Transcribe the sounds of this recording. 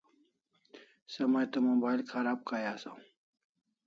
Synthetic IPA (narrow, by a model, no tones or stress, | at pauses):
sɐmajt̪ɐmubaːjlkʰaɾaːb̚kajaːsã̰